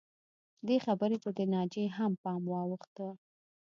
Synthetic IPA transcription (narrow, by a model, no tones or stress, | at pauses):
d̪exabəɾepəd̪ənɑd͡ʒeɦampɑmwɑwəxt̪ə